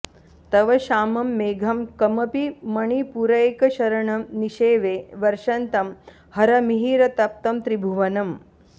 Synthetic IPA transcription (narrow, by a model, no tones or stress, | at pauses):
t̪ɐʋɐʃaːmɐmːeːɡʱɐmkɐmɐpimɐɳipuɾɐjkɐʃɐɾɐɳɐmniʃeːʋeːʋɐɾʂɐnt̪ɐm | hɐɾɐmiɦiːɾɐt̪ɐp̚t̪ɐmt̪ɾibʱuʋɐnɐm